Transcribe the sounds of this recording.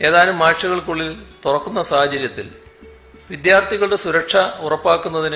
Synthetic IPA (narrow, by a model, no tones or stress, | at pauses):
e̞ːðaːlumːaːʂɐɣɐɭkuɭːilt̪urɐkːunːɐsaːhɐt͡ɕɐɾjɐt̪ːil | ʋid̪jaːrt̪ʰiɣɐɭɽe̞suɾɐkʂɐurɐpːaːkːunːɐðin